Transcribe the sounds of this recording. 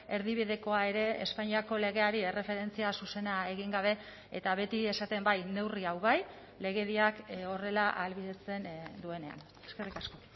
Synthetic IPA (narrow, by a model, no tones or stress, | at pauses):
e̞ɾðiβiðe̞ko̞ae̞ɾe̞ḛspaɲiako̞le̞ɣ̞e̞aɾie̞re̞fe̞ɾe̞nt͡siasuse̞nae̞ɣ̞iŋɡaβ̞e̞ | ḛt̪aβe̞t̪ie̞sat̪e̞mbajne̞wriawβaj | le̞ɣ̞e̞ðiako̞re̞laʔalβiðet͡se̞nd̪ue̞ne̞a̰n | e̥skerikasko̞